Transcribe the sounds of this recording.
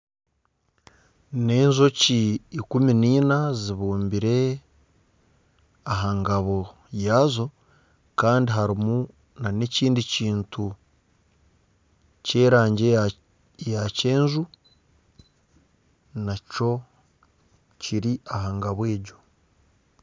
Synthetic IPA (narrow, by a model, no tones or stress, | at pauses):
ne̞ːɲzo̞ciːkuminiːnaziβuːmbiɾe̞ | aɦaːŋɡaβo̞ | jaːzo̞ | kaːndiɦaɾimu | naneciːndiciːntu | ce̞ːɾaːɲɟe | jace̞ːnzu | naco̞ | ciɾiaɦaːŋɡaβwe̞ːɟo̞